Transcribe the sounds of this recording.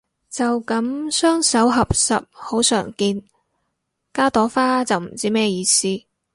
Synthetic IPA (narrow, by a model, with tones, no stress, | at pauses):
t͡sɐ˨wkɐ˨˥msœː˥ŋsɐ˨˥wɦɐ˨p̚sɐ˨p̚ho˨˥wsœ̰ː˨˩ŋkiː˧n | kaː˥t̪ɔː˨˥faː˥t͡sɐ˨wm̩˨˩t͡siː˥mɛː˥jiː˨˧siː˥